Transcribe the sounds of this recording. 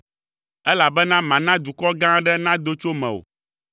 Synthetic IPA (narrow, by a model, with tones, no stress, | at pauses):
ɛ˦la˨bɛ˦nã˦mã˨nã˦d̪u˨kɔ˦ɡã˦ɖɛ˦nã˦d̪o˦t͡ʃo˦mɛ̃˨o̰˨